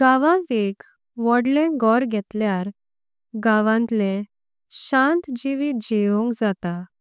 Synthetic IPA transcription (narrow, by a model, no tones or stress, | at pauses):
ɡ̥aʋãʋek | ʋɔɽlẽŋɡɔɾɡʱɛt̪ljaɾ | ɡaʋãnt̪le | ɕãnt̪d͡ʑiʋit̪d͡ʑiõŋkd͡zat̪a